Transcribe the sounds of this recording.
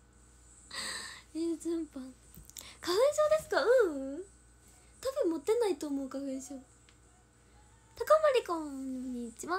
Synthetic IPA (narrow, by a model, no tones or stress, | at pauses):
ɯd͡ʑɯ̃mpã | kaɸɯɕo̞ːd̪e̞sɨ̥kaɯ̟̃ | t̪abɯ̟̃mmːot̪ːe̞nait̪oːmo̞ɯ̟kaɸɯɕo̞ː | t̪akamaɾʲikãɲiːt͡ɕibã